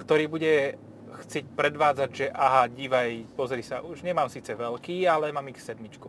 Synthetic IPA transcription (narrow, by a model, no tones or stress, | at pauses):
kt̪ɔɾiːbuɟɛ | xt͡sɪɛc̚pɾɛd̪ʋaːd͡zaɟʒɛʔaɦaɟiːʋajpɔzɾisaʔuʒɲɛmaːmsiːt͡sɛʋɛlkiːalɛmaːmixsɛd̪mit͡ʃku